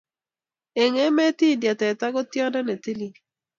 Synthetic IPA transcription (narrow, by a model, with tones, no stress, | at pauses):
e˨ŋɛ˦mɛ˦ti˦˨dja˨tɛ˨ta˦ɡɔ˦tjɔ˦da˦ne˨ti˦li˦